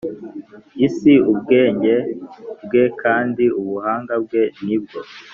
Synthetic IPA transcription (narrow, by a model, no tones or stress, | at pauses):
isiubɡe̞ːɲɟe̞bɡe̞kʰaːndiuβuhaːŋɡabɡe̞nib̚ɡo̞